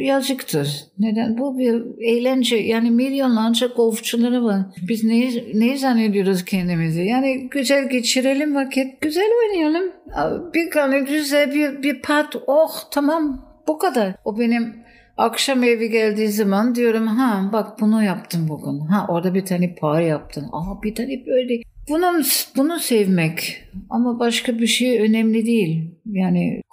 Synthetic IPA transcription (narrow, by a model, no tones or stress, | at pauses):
jad͡ʒɯkt̪ʰɯɾne̞d̪ænbubiɾejlʲænd͡ʒɛjaːnimilʲjo̞nlˠand͡ʒaɡolˠft͡ʃʰulˠaɾɯvaɾbiznejinejizanːed̪ijo̞ɾuzcʰɛnd̪imizɪjaːniɟyzælʲɟet͡ʃʰiɾe̞lʲimvakʰɛt̪̚ɟ̥yzælʲojnɯjalˠɯmab̥iɾɡanɯd̪yzɛbiɾbiɾpʰat̪oxt̪ʰamam | b̥ukʰad̪aɾobe̞nim | akʃameviɟælʲd̪iːzamand̪ijo̞ɾumɦabak̚bunujap̚t̪ʰɯmbuɡunɦaʔo̞ɾd̪abit̪ʰaːnɛpʰaɾjap̚t̪ʰɯna̰bit̪ʰaːnɛbøjlʲɛb̥unumsbunusɛvmɛcamabaʃkabiʃejø̞nɛmlʲid̪ejilʲjaːnɪ̰